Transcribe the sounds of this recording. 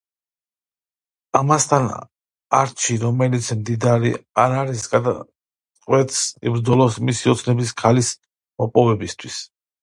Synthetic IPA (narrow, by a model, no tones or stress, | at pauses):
amast̪ʰan | aɾt͡ʃʰiɾɔmɛlit̪sʰmd̪id̪aɾiaɾaɾisɡad̪a | qʼwɛt̪sḭbɾd̪zɔlˠɔsmisiɔt̪sʰnɛbiskʰalis | mɔpʼɔvɛbist̪ʰwis